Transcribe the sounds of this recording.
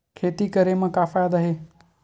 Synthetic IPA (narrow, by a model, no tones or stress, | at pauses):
kʰet̪ikəɾemãkafajad̪əɦe